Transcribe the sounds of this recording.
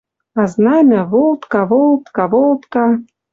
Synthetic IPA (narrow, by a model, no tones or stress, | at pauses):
ɑznɑmʲaβolˠt̪kɑβolˠt̪kɑβolˠt̪kɑ